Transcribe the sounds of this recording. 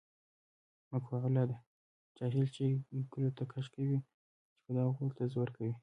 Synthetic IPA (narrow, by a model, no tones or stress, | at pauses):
məkxaɣlɑd̪a | t͡ʃɑɦilt͡ʃeɡəlot̪akʰaʃkawi | t͡ʃe̥pəd̪ɑɣut̪azwəɾkawi